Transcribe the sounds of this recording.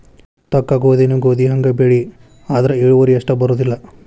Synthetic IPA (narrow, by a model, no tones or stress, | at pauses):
t̪ɐkːaːɡoːd̪enuɡoːd̪iɦɐŋɡɐbeɭi | aːd̪ɐɾeeːɭuʋɐɾiɐʂʈɐbɐɾoːd̪ilːɐ